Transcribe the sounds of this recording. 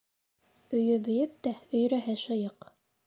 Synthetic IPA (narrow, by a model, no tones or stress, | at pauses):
ɵ̆jɵbɵ̆jɘp̚t̪æɵ̆jɾæɦɘʃɤ̆jɤq